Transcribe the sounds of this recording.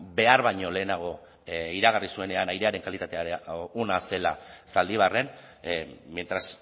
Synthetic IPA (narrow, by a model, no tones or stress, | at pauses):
be̞aɾβaɲo̞le̞ːnaɣ̞o̞ | iɾaɣ̞arisue̞ne̞anajɾe̞aɾe̞ŋkalit̪at̪e̞aonase̞la̰sald̪iβ̞are̞n | ment̪ɾas